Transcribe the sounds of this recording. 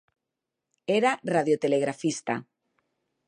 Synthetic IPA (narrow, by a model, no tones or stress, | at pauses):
eɾaraðjot̪eleɣɾafist̪a